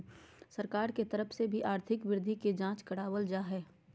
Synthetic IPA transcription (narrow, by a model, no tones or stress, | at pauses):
sɐɾkaːɾket̪ɐɾəpʰsebʱiʔaːɾt̪ʰɪkʋɪɾd̪ʱiked͡ʒãːt͡ʃkɐɽaːwəld͡ʒaːɦɛː